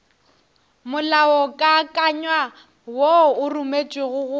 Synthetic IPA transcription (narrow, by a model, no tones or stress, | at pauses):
mʊlaɔkʼakʼaɲwa | woʊrumet͡ʃʼwɪɣʊɣʊ